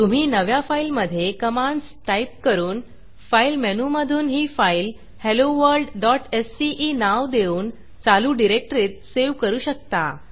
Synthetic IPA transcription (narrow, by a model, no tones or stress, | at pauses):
t̪um̤iːnəʋjafailməd̪ʱːjekəmãɳɖs | ʈaip̚kəɾuːn | failmɛnuməd̪ʱuːnɦiːfail | heloʋəɾɖɖɔʈesːiʔiːnaʋd̪euːn | t͡saluːɖiɾek̚ʈɾiːt̪̚seʋkəɾuːɕək̚t̪a̰